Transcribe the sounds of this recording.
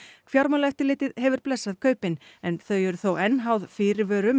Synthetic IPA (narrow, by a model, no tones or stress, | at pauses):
kʰfjawɾmalɛft̪ɪlɪːt̪ɪðɦɛvʏɾ̥plɛsːaðkʰœːɥpɪnɛnθœɥɛɾʏθowɛnːɦawðfɪːɾɪɾvœːɾʏm